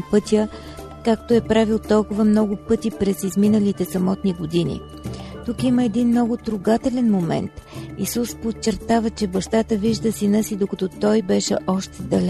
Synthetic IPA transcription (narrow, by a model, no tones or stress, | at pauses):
pɤt̪ʲjə | kakt̪oɛpɾavilˠt̪ɔlˠkʊvəmnɔɡʊpɤt̪ipɾɛsizminəlit̪ɛsɐmɔt̪niɡod̪inḭ | t̪ukiməɛd̪inmnɔɡʊt̪ɾʊɡat̪ɛlɛnmomɛ̰nt̪ḭsuspott͡ʃɛɾt̪avət͡ʃɛbɐʃt̪at̪əviʒd̪əsinəsid̪okɐt̪ɔt̪ɔjbɛʃɛ̰ʔɔʃt̪ɛd̪ɐl